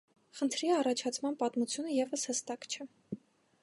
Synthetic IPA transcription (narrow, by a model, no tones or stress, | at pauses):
χənt̪ʰɾiɑrɑt͡ʃʰɑt͡sʰmɑnpɑt̪mut͡sʰjunəjɛvəshəst̪ɑkt͡ʃʰɛ